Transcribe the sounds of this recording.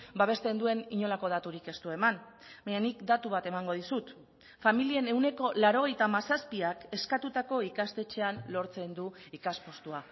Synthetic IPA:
baβ̞e̞st̪e̞nd̪ue̞niɲo̞lako̞ðat̪uɾike̞st̪ue̞man | baɲanikd̪at̪uβ̞at̪e̞maŋɡo̞ð̞isut̪ | familie̞ne̞wne̞ko̞laɾo̞ɣ̞e̞jt̪amasaspiake̞skat̪ut̪ako̞ikast̪e̞t͡ʃe̞anlo̞ɾt͡se̞nd̪uikaspo̞st̪ua

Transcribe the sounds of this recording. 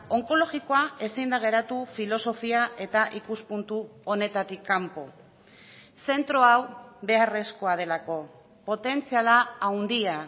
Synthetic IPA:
o̞ŋko̞lo̞ɣikoae̞sind̪aɣ̞e̞ɾat̪ufilo̞so̞fiaʔe̞t̪aʔikuspunt̪uo̞ne̞t̪at̪ikːampo̞̰ | se̞nt̪ɾo̞awβe̞are̞sko̞að̞e̞lako̞ | po̞t̪e̞nt͡sialaːwnd̪ia

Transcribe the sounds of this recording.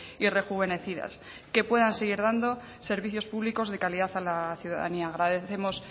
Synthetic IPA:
ire̞xuβ̞e̞ne̞θiða̰s | ke̞pwe̞ðanseɣ̞iɾðand̪o̞ | se̞ɾβ̞iθjo̞spuβliko̞zðe̞kaliðaθalaθjuða̰ða̰niaːɣ̞ɾaðe̞θe̞mo̞s

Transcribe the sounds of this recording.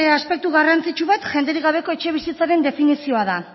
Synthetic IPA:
easpe̞k̚t̪uɣarant͡sit͡ʃuβat̪ʝe̞nd̪e̞ɾiɣ̞aβ̞e̞ko̞e̞t͡ʃe̞β̞isit͡saɾe̞nd̪e̞finisio̞aða

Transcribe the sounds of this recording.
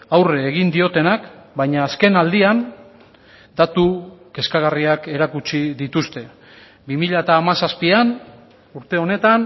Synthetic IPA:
awreːɣind̪io̞t̪e̞nakbajɲaːske̞nald̪ian | d̪at̪uke̞skaɣariake̞ɾakut͡ʃiðit̪ust̪e̞ | bimiʎaet̪aːmasaspian | uɾt̪e̞o̞ne̞t̪an

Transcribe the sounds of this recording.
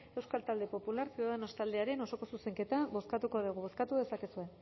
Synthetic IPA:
e̞wskalt̪ald̪e̞po̞pulaɾsiðeno̞st̪ald̪eaɾe̞no̞so̞ko̞suse̞ŋke̞t̪aβo̞skat̪uko̞ðuɣ̞uβo̞skat̪uðe̞sake̞sue̞

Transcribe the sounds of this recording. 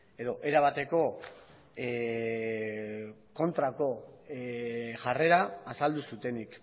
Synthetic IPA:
e̞ðo̞ʔe̞ɾaβ̞at̪e̞ko̞ | ko̞nt̪ɾako̞ | ʝare̞ɾaːsald̪usut̪e̞nik

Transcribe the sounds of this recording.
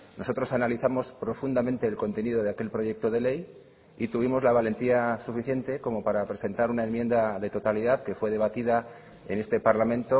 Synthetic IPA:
nʔo̞so̞t̪ɾo̞sanaliθamo̞spɾo̞fund̪amẽnt̪e̞ːlko̞nt̪e̞niðo̞ð̞eake̞lpɾo̞ʝe̞k̚t̪o̞ðe̞le̞j | it̪uβimo̞zlaβ̞ale̞nt̪iasufiθje̞nt̪e̞ko̞mo̞paɾapɾe̞se̞nt̪aɾunae̞nmje̞nd̪aðe̞t̪o̞t̪aliðaðke̞fwe̞ð̞e̞βat̪ið̞a | e̞̰ne̞st̪e̞paɾlamẽ̞nt̪o

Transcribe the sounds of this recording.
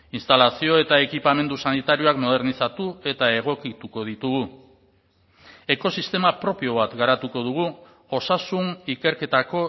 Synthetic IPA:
inst̪alasio̞e̞t̪ae̞kipame̞nd̪usanit̪aɾio̞akmo̞ð̞e̞ɾnisat̪ue̞t̪ae̞ɣ̞o̞kit̪uko̞ð̞it̪uɣ̞u | e̞ko̞sist̪e̞mapɾo̞pio̞β̞at̪ɡaɾat̪uko̞ð̞uɣ̞u | o̞sasunike̞ɾke̞t̪ako̞

